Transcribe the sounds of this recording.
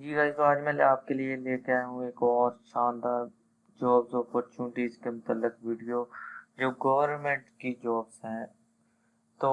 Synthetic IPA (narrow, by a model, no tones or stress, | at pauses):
d͡ʒiːɾaːkoaːd͡ʒmẽːaːp̚kelielekaɦũeːkɔːɾʃãːnd̪aːɾ | d͡ʒɔːbzoːpɔːɾt͡ʃũːnʈiːzkemʊt̪əlːɪkʋiːɖijod͡ʒoːɡəʋəɾnmẽɳʈkid͡ʒɔːbzɦɛ̃ː | t̪oː